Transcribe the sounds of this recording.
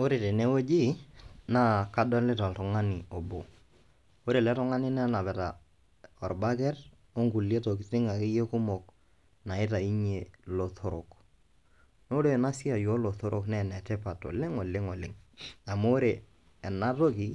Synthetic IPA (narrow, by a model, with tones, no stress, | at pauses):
o˦ɾe˨te˨ne˦wo˦d͡ʒi˦na˦ka˦dɔ˦lɪ˦ta˨ltʊ˨ŋa˦nɪ˨ɔ˨bo̰˨ | o˦ɾe˨lɛ˦tɔ˦ŋa˦nɪ˦nɛ˦na˨pɛ˨ta̰˨ | ɔ˨ɾba˦kɛ˦r | o˦ŋku˨le˦to˨k̬ɪ˨tɪ˦ŋa˨ke˦je˦kʊ˦mɔ˨k̚ | na˨ɪ˦ta˨i˦ɲe˨lo˨tʰo˦ɾo̰˨k | no˦ɾe˨na˦si˦a˨jo˨˦lo˨to˦ɾʔo˦˨knɛ˦nɛ˨tɛ˦pa˨to̰˨lɪ˦ŋɔ˨lɪ˦ŋɔ˨lɪ˦ŋa˨moː˦ɾeː˨ | na˦to˦ki˨